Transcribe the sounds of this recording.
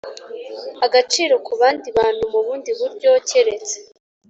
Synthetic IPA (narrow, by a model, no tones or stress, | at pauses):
aɡat͡ʃiːɾo̞kuβaːndiβaːn̥humuβuːndiβuɾɟo̞ːce̞ɾe̞t͡se